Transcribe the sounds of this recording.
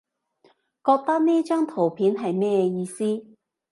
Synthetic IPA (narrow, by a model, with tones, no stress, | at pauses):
kɔː˧k̚t̪ɐ˥k̚niː˥t͡ʃœː˥ŋt̪ʰo˨˩wpʰiː˨˥nɦɐ˨jmɛː˥˧jiː˧siː˥